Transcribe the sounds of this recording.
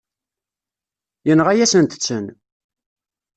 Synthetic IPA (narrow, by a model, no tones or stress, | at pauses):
jənʁæjæsənt̪ə̥t͡sːən